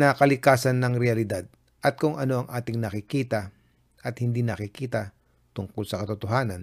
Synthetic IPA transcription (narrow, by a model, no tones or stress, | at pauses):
nakɐlɪkaːsɐnːɐŋɾɛɐlɪd̪ad̪̚ | ʔɐt̪̚kʊŋɐno̞ʔɐŋʔaːt̪ɪŋnɐkɪkiːt̪ɐ | ʔɐt̪̚hɪnd̪inɐkɪkiːt̪ɐ | t̪ʊŋkolsɐkɐt̪ʊt̪oɦaːnɐn